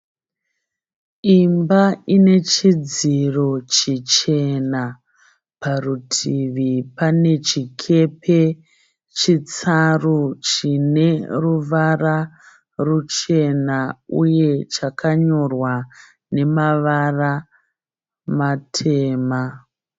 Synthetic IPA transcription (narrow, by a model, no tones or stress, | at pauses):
imbaine̞t͡ʃid͡ziro̞t͡ʃit͡ʃe̞na | parutʰiʋipane̞t͡ʃikʰe̞pʰe̞ | t͡ʃit͡sarut͡ʃine̞ruʋara | rut͡ʃe̞nauje̞t͡ʃakʰaɲo̞rwa | ne̞maʋara | matʰe̞ːma